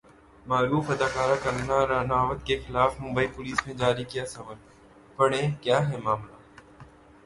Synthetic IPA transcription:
maːɾuːfɐd̪aːkaːɾakɐɾnaɾaːnaːʋət̪kexɪlaːfmʊ̃mbəipʊliːsmẽd͡ʒaːɾikijasɐbəl | pɐɽ̃ẽkjaːɦɛmaːmlaː

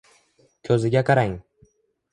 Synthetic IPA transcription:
kʲʰɵzɪɡʲaqʰɑɾaŋ

